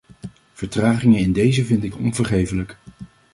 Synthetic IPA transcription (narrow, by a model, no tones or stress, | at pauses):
v̥əɹtraːχɪŋəɪndejzəvɪntɪkɔ̰nvəɹχejfələk